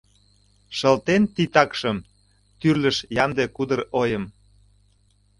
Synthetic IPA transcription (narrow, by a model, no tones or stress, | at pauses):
ʃə̆lt̪ent̪it̪ɑkʃəm | t̪yrləʃjɑnd̪ekud̪ərojəm